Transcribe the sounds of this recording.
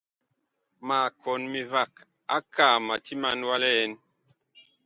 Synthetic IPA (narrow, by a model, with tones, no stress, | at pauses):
ma˨kʰɔ˨nmi˨va˦˨k | a̰˦ka˦˨ma˨ti˦ma˦˨nwa˦lɛ˦ɛ˦n